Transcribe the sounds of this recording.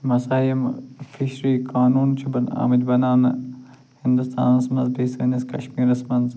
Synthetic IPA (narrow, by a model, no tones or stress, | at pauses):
mɐsaːjimfiʃɾiːkaːnuːnt͡ʃʰubɐna̰ːmɐd͡ʒ̪bɐnaːn | hind̪ust̪ʰa̰ːnɐsmɐnzbʱeːsɐːnɐskɐʃmiːɾɐsmɐnz